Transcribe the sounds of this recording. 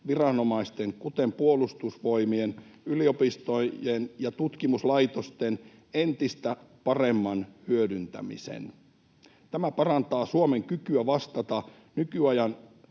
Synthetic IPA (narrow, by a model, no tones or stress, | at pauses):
ʋirɑno̞mɑist̪eŋkut̪empuolust̪usʋo̞jmien | ylio̞pist̪ojenjɑt̪ut̪kimuslɑjt̪ost̪en | ent̪ist̪æpɑremːɑnhyødynt̪æ̰mḭsḛn | t̪æmæpɑrɑnt̪ɑːsuome̞ŋkykyæʋɑst̪ɑt̪ɑ | nykyɑjɑn